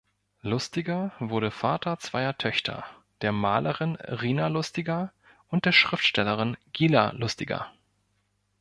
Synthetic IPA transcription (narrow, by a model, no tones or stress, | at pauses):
lʊstɪɡɐvʊɐɾəfaːtɐt͡sv̥aɪɐtʰœçtʰɐ̰ | d̥eːɐmaːlʔəʁɪnʁiːnalʊstɪɡɐ | ʔʊnt̚d̥eːɐʃʁ̥ɪftʃtɛləʁ̞ɪnɡ̥iːla̰lʊstɪɡɐ̰